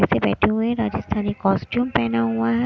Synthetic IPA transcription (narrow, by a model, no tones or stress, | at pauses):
sebɛ̰ːʈʰeɦueɾaːd͡ʒəst̪ʰaːnikɔːsʈjuːmpɛːnaɦuaɦɛ